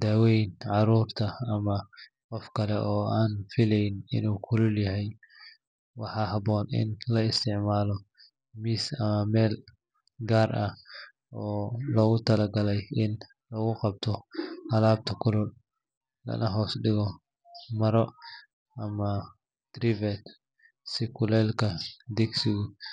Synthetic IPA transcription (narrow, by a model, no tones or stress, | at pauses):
d̪̥aːwɛjnʕɑɾuːrt̪ʰɐːmɐ | qɔfkʰɐlɛʔɔːaːnfɪlɛjnɪ̰nuːkʰʊlʊljɐɦɛj | wɑħɑːɦɐbɔːnɪ̰nlɐɪst̪ʰɪʕmaːlɔ | miːsɐmɐmɛːl | ɡaːrʔɐ | ʔɔːlɔːɣʊt̪ʰɐlɐɡɐlɛjɪn | lɔːɣʊqɑb̚t̪ʰɔhɐlaːb̚t̪ʰɐkʰʊlʊl | lɐ̰nɐɦɔːsɗɪɣɔ | mɐɾɔ | ʔɐmɐ | d̪̥ɾɪvɛt̪ | sɪkʰʊlɛːlkʰɐd̪ɛɡsɪɣʊ